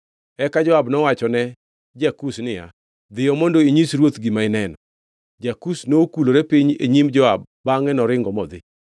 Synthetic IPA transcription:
ɛkad͡ʒɔabnɔwat͡ʃɔnɛ | d͡ʒakusnɪja̰ | d̪ɪjɔmondoiɲisɾwot̪ɡimaɪnɛnɔ | d͡ʒakusnookuloɾepiɲḛɲimd͡ʒɔabːaŋɛnɔɾɪŋɡɔmɔd̪ɪ̰

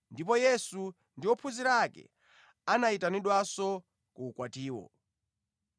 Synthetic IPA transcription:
ndipɔjɛsu | ndiwɔpʰuziɾakɛ̰ | anaitaniɗwasɔ | kuːkwatiːwɔ̰

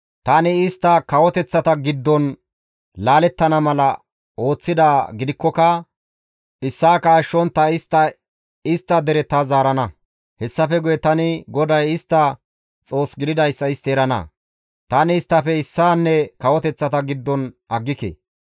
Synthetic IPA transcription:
t̪ɐnɪɪst̪ːɐkɐwɔt̪ɛt͡sːɐt̪ɐɡɪd̪ːɔn | laːlɛt̪ːɐnɐmɐlɐ | o̞ːt͡sːɪd̪aːɡɪd̪ɪkːɔkɐ | ɪsːaːkaːʃːɔnt̪ːɐɪst̪ːɐ | ɪst̪ːɐd̪ɛɾɛt̪azaːɾɐnɐ | hɛsːɐfɛɡʊjɛt̪ɐnɪɡɔd̪ɐjɪst̪ːɐ | t͡sʼo̞ːsɡɪd̪ɪd̪ɐjsːɐɪst̪eːɾɐnɐ̰ | t̪ɐnɪɪst̪ːɐfɛɪsːaːnːɛkɐwɔt̪ɛt͡sːɐt̪ɐɡɪd̪ːɔn | ɐɡːɪkḛː

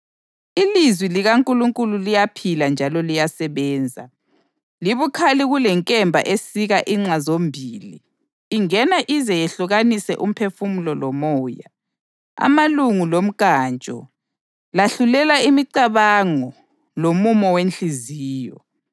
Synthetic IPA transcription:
ilizwiliɣaŋkʼuluŋkʼululijapʰiland͡ʒʱalɔlijasɛβɛːnd͡zʱa̰ | liβukʰaliɣulɛŋkʼɛmbʱa̰ʔesiɣaʔiŋ͡ǀazombʱilḭː | ŋɛnaʔizɛjɛɬuɣanisɛ̰ʔum̩pʰefumulɔlɔmɔːja̰ | a̰maluŋulom̩kaːnt͡ʃʼɔ̰ | laɬulɛlaimiǀaβaŋɔ | lomumɔwent͡ɬiziːjɔ̰

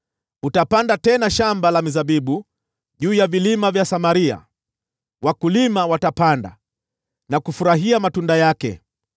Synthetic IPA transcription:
utapandatɛnaʃambalamizaɓiɓu | ʄuːjavilimavjasamaɾia̰ | wakulimawatapanda̰ | nakufuɾaɦiamatundajakɛ̰

